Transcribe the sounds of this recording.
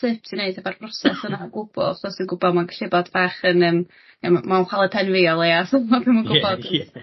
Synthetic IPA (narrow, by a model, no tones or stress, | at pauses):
ɪpsineɨdabarb̥rɔsɛsənaɡʊb̥ʊ̰lˠɔsənɡʊbɔmaɡɬɪbɔdv̥aːχənəm | əmmanχwalˠɛpʰɛnvɪɔlˠeasɔmɔpʰɪmənɡʊbɔds